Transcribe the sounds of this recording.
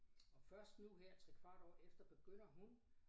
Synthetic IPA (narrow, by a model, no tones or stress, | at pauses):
ɒ̽fɶɐsd̥nuɦeɐ̰t͡sʰʁɛkʰʋɑ̈ːd̥ɒ̰ːefd̥ɐb̥e̝ɡ̥øn̰ɐɦun